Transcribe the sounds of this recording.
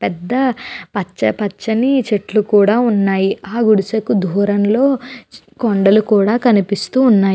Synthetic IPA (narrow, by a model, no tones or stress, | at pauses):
pɛd̪ːɐpɐt͡ʃːɐpɐt͡ʃːɐnit͡ʃeʈlukuːɽaːunːaːjiaːɡuɽisɐkud̪ʱuːɾɐnlo̞ː | koɳɖɐlukuːɽaːkɐnipist̪uːnːaːj